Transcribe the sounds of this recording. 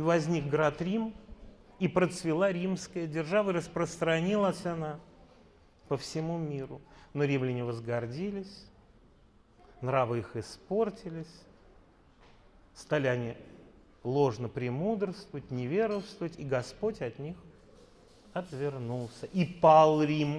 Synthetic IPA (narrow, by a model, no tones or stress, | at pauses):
ivɐzʲnʲik̚ɡɾat̪ɾʲim | ipɾət̪svʲɪlˠaɾʲimskəjədʲɪrʐavəɨɾəspɾəst̪ɾɐnʲilˠəsʲana | pəfsʲɪmumʲiɾʊno̞ɾʲimlʲɪnʲɪvəzɡɐrdʲilʲɪsʲ | nɾavɨixɪspo̞rtʲɪlʲɪsʲ | st̪alʲɪɐnʲi | lˠo̞ʐnəpɾʲɪmud̪ɾəst̪vəvətʲnʲɪvʲe̞ɾəst̪vəvətʲiɡɐspo̞tʲɐt̪nʲix | ɐt̪vʲɪrnulˠsʲəʔipalˠɾʲim